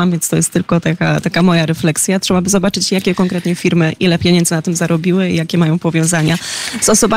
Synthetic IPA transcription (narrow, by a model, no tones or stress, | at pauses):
amvʲjɛnst̪ɔjɛst̪ːɘlkɔt̪akat̪akamɔjaɾɛflɛksʲjatʂɛbabɘzɔbat͡ʂɘt͡ɕjakʲɛkɔŋkɾɛt̪ɲɛfʲiɾmɘʔilɛpʲjɛeɲɛnd̪zɘnat̪ɘmzaɾɔbʲiwɘḭjakʲɛmajɔ̃w̃pɔvʲjɔ̃w̃zaɲaz̥ɔsɔba